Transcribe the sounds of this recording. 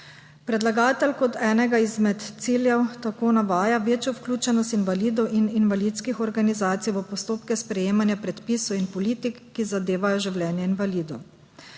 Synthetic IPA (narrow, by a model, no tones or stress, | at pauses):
pɾɛd̪laɡaːt̪ɛlkɔt̪ɛːnɛɡaizmɛt̪t̪siːljɛwt̪akoːnaʋaːjaʋeːt͡ʃjɔwklʲuːt͡ʃɛnɔst̪inʋaliːd̪ɔwʔininʋalit̪skixɔɾɡanizaːt̪sijʋəpɔst̪oːpkɛspɾɛjeːmanjapɾɛt̪pisuinpɔliːt̪ikːizad̪eːʋajɔʒiwlʲɛːnjɛinʋaliːd̪ɔ